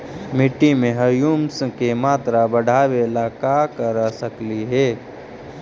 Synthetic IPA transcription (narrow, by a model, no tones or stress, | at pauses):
mɪʈːimẽɦəjuːmskemaːt̪ɾabəɽʱaːʋelakakəɾasəkliɦɛː